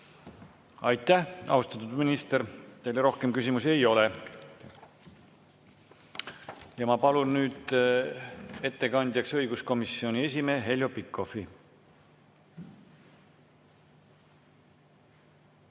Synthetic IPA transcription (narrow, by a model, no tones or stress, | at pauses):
ɑjt̪ˑːæhɑ̰ust̪ɑt̪ːˑud̪minist̪eɾt̪e̞jleɾo̞hkemkysʲimuse̞jo̞le | jɑmɑpɑlunːyːd̪̥ | e̞t̪ːe̞kɑnd̪jɑksɤjɡusko̞misːio̞nʲie̞s̬ʲime̞ːɦe̞lʲjopikʰːˑo̞fi